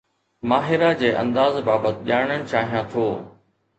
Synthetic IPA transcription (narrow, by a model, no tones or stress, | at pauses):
maːɦɪɾad͡ʑeːʔɐ̰̃nd̪aːzbaːbət̪ɪʄaːɽ̃əɽ̃ɪ̆t͡ɕaːɦijãt̪ʰoː